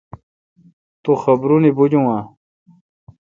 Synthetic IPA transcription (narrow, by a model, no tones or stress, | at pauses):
t̪oxɐbɾunibud͡ʑũã